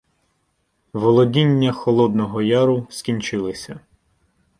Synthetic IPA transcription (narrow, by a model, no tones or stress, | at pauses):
ʋɔlˠɔdʲinʲːɐxɔlˠɔd̪nɔɦɔjɑɾʊskʲinʲt͡ʃɪlˠɪsʲɐ